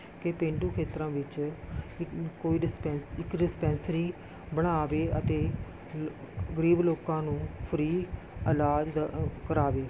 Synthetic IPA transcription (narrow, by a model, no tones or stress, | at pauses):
kepẽːɳɖũːkʰeːt̪ɾãːʋɪt͡ʃ | oːiɖɪspɛnsɪkɖɪspɛ̃ːnsɾiː | bəɽ̃aːʋeːət̪eː | ɡəɾiːbloːkãːnũːpʰɾiː | əlaːd͡ʒd̪kəɾaːʋeː